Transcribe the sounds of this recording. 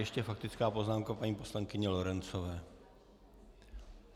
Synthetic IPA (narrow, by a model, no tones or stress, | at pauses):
jɛʃcɛfak̚t̪ɪt͡skaːpo̞znaːmkapaɲiːpo̞slaŋkɪɲɛlo̞ɾɛnt͡so̞vɛː